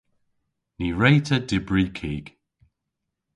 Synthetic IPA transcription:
niːɹejtʰədɪbɹikʰiːɡ̥

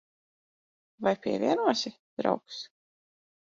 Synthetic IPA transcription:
vajpʲiɛvʲiɛnuɔsɪ | d̪̥ɾa̰wks

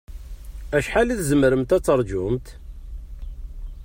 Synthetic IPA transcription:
æʃħaliθzəməɾəmt̪æt͡sːəɾˤd͡ʒʊmt̪

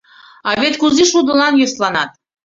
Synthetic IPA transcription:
ɑβet̪kuziʃud̪əlˠɑnjeslˠɑnɑt̪̚

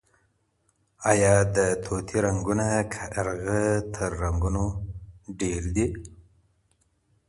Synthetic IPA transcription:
ajɑd̪ət̪ʰot̪ʰiɾaŋɡunakʰaɾɣət̪ʰəɾːaŋɡuno | ɖeɾd̪i

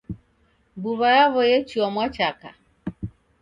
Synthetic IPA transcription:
buβajaβɔjɛt͡ʃiɔmwat͡ʃaka

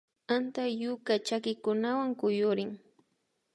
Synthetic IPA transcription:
ant̪ajʊkat͡ʃakɪkʊnawaŋkʊjʊɾɪŋ

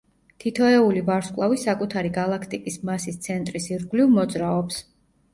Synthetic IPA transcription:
t̪ʰit̪ʰɔɛulivaɾskʼlˠavisakʼut̪ʰaɾiɡalˠakʰt̪ʼikʼismasist̪sʰɛnt̪ʼɾisiɾɡlivmɔd̪zɾaɔps

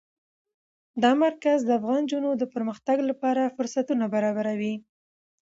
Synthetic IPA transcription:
d̪ɑmaɾkazd̪əafɣɑnd͡ʒunod̪əpəɾməxt̪aɡlapɑɾafʊɾsat̪unabaɾɑbaɾawi

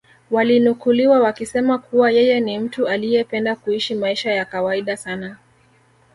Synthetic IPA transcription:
walinukuliwawakisɛmakʰuwajɛjɛnim̩tualijɛpɛndakuiʃimaiʃajakawaiɗasana

